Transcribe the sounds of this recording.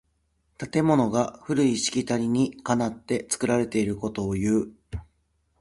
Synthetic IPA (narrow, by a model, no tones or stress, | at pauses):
t̪at̪e̞mo̞no̞ɡaɸɯ̟ɾɯ̟iɕi̥kʲit̪aɾʲiɲ̟ikanat̪ːe̞t͡sɨ̥kɯ̟ɾaɾe̞t̪e̞iɾɯ̟ko̞t̪o̞ːjɯ̟ː